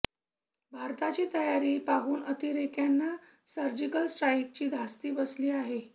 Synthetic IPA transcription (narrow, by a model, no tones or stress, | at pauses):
bʱaɾt̪at͡ɕiːt̪əjaɾiːpaɦuːnət̪iɾekjanːa | səɾd͡ʑikəlsʈɾaik̚t͡ɕiːd̪ʱast̪iːbəsliːaɦe